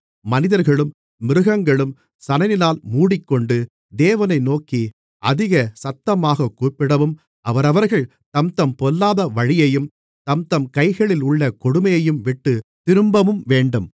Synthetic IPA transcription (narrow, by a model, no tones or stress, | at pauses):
mɐnɪðɐɾɣɐɭɯmː | ɪɾɯɣɐŋɡɐɭɯm | sɐnɐjɪlaːlmuːɽɪkːɔɳɖɯ | d̪eːʋɐnɐɪnoːki | ʔɐðɪɣɐsɐt̪ːɐmaːɣɐkːuːpːɪɽɐʋɯm | ɐʋɐɾɐʋɐɾɣɐɭ | t̪ɐmt̪ɐmpɔlːaːðɐʋɐɻɪjɐjɯm | t̪ɐmt̪ɐmkɐɪɣɐɭɪlʊɭːɐkɔɽɯmɐjɐjɯmʋɪʈːɯt̪ɪɾɯmbɐmɯmʋeːɳɖɯm